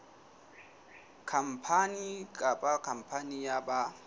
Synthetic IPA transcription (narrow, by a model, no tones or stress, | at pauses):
kʰam̩pʰanikʼapʼakʰam̩pʰanijaba